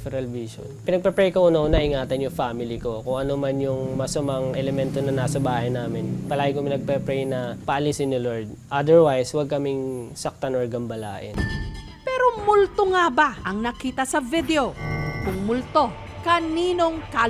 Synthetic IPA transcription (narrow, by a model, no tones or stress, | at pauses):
fɛɾɐlviʃo̰npɪnɐɡ̚pɛpɾɛjkɐʔunonɐʔɪŋaːt̪ɐnjʊŋfamɪliko̞kʊŋʔɐnomɐnjʊŋmɐsɐmɐŋʔɛlɛmɛnt̪onɐnasɐbaːhɐjnaːmɪnpɐlaːɡɪkopɪnɐɡ̚pɛpɾɛjnɐpɐʔɐlisɪnːɪloɹd̪̚ʔɐd̪ɛɹwajswɐɡ̚kɐmɪŋsɐk̚t̪anoɹɡɐmbɐla̰ːʔɪn | pɛɾo̞mʊlt̪oŋabaʔɐŋnɐkiːt̪ɐsɐvɪd̪eo̞kʊŋmʊlt̪o̞ | kɐniːnoŋka